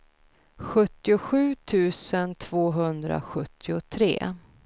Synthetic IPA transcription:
ɧɵt̪ːɪʊɧʉ̟ːt̪ʰʉ̟ːsənt̪ʰv̥oːɦɵnd̪ɾa̰ɧɵt̪ʰːɪʊt̪ʰɾḛː

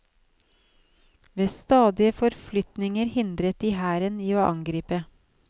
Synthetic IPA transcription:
ʋeːst̪ɑːd̪ɪəfɔɾflʏt̪nɪŋəɾhɪnd̪ɾət̪̚d̪iːhæːɾəniːoːʔɑ̰ŋɡɾiːpə

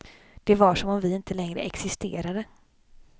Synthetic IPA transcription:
d̪̥ɛvaʂɔmɔmvɪɪnt̪əlɛŋɾə̰ɛksɪst̪ḛːɾad̪ə

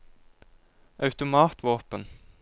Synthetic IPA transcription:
ʔɑʉt̪ʊmɑːt̪ʋoːpən

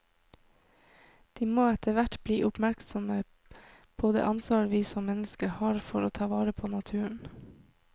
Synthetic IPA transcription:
d̪̥iːmoːɛt̪ʰəʋæʈbliːʔʊpmæɾksɔmə | b̥ʰoːd̪ə̰ːʔɑnsʋɑːɾʋiːsɔmmɛnəskəɾhɑːɾfɔɾoːt̪ʰɑːʋɑːɾəpʰoːnɑt̪ʰʉːəɳ

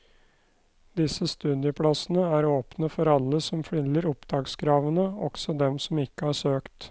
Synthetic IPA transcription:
d̪ɪsəst̪ʉd̪jəpʰɽɑsənəæːɾoːpnəfɔɾɑlːəsɔmfɽɪnləɾʊpd̪ɑːɡsɡɾɑːʋənəɔ̰ɡ̥sɔd̪ɛmsɔmɪkːəhɑʂøːkt̪

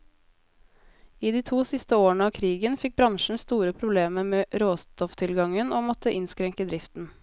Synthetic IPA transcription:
iːd̪iːt̪ʰuːsɪst̪əoːɳəɑːkʰɾiːɡənfɪk̚bɾɑŋʃɳ̩st̪uːɾəpʰɾʊbleːməmeːʔɾoːst̪ɔft̪ʰɪlɡɑŋənoːmɔt̪əʔɪnskɾɛŋkəd̪ɾɪft̪n̩

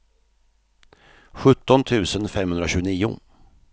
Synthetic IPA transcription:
ɧɵt̪ːɔnt̪ʰʉ̟ːsənfɛmhɵnd̪ɾaɕʉ̟ːniːʊ̰

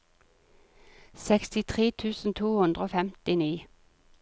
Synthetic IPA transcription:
sɛkst̪ɪt̪ʰʁeːt̪ʰʉːsn̩t̪ʰuːhʉnd̪ʁoːfɛmt̪ɪniː

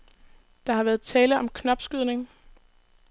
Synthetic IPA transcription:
d̥ɑ̈hɑ̈ʋæɐð̩ˠt͡sʰɛːləʔɒ̽mkʰnɒ̽b̥sɡ̥yð̞̰ˠne̝ŋ

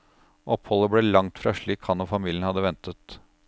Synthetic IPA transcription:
ʔɔphɔlːəbɽɛlɑŋt̪fɾɑ̰ːʂɭiːkhɑnofɑmiːlənhɑd̪ːəʋɛnt̪ət̪

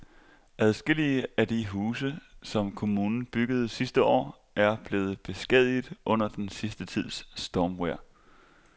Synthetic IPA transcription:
ʔæð̞ˠsɡ̥e̝l̰iəæd̥iɦuːsəsɒ̽mkʰo̝muːnn̩b̥yɡ̥əð̞̩ˠsisd̥əɒ̰ː | æɐb̥le̝ːð̞̩ˠb̥e̝sɡ̥ɛð̰ˠiðˠʔɔ̽n̰ɐd̥ensisd̥ət͡sʰið̞̰ˠsːd̥ɒːmweɐ̰

